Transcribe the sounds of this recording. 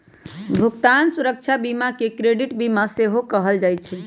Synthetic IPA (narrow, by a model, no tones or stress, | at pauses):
bʱukt̪ansuɾək̚t͡ʃʰabimakekɾeɖiʈbimaseɦokəɦəld͡ʒaj̪̚t͡ʃʰɛ